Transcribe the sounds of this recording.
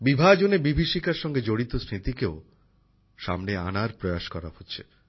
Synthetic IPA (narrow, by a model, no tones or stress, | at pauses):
bibʱad͡ʑonebibʱiʃikaɾʃɔŋɡed͡ʑoɽit̪osɾit̪ikeo | ʃa̰mnea̰naɾpɾojaʃkɔɾa̰hotːɕʰe